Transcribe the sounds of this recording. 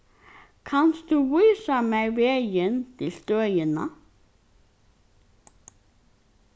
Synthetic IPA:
kʰɑnsd̪ʉːwyːsɑmæɪʋeːjənt̪ʰɪlst̪øːjənɑ

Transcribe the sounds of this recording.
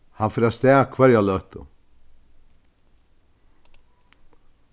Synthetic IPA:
hanfɪɾast̪ɛːkʰvɛɾjalœht̪ʊ̰

